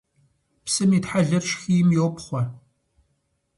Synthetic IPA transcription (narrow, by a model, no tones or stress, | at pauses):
psɨmiːtħaɮɐrʃxiːjɪmjoːpχʷɔ